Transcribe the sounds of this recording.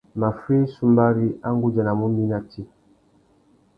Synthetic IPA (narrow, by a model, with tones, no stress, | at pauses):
ma˨fi˦su˦mba˦ɾi˦a˦ŋ˦ɡu˦d͡ʒa˨na˨mu˦mi˦na˨tʰi˦